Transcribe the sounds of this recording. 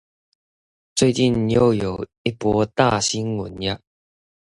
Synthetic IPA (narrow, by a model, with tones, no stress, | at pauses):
t͡swe˥˧ɪt͡ɕi˥˨njo˥˦jo˨˩i˦˥pwɔ˧˦t̪a̰˥˧ɕi˦nwʊ̰˨˩nja˥˦